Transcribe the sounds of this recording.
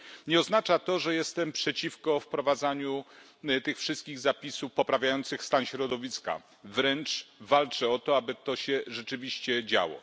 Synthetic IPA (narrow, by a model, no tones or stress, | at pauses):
ɲɛɔznat͡ʂat̪ɔʐɛjɛst̪ɛmpʂɛt͡ɕifkɔfpɾɔvad̪zaɲu | t̪ɘxfʂɘst̪̚kʲiɣzapʲisufpɔpɾavʲjajɔnt̪sɘxst̪anɕɾɔd̪ɔvʲiska̰ | vɾɛnt͡ʂvalt͡ʂɛɔt̪ɔabɘt̪ɔɕɛʐɛt͡ʂɘvʲiɕt͡ɕɛd͡ʑa̰wɔ̰